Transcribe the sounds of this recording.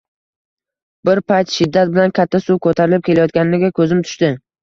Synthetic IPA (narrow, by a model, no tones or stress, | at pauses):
bɪɾpʰajt̪ʃɪd̪ːat̪̚bɪlankʲʰat̪ʰːasukʰɵt̪ʰaɾɪlɪp̚kʲelajɒt̪̚kʲanɪnɪɡʲakʰɵzɪmt̪ʰʊ̥ʃt̪ɪ